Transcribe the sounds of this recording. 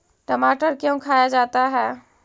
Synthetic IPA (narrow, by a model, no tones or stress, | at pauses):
ʈəmaːʈəɾkjõːkʰaːjad͡ʒaːt̪aɦɛː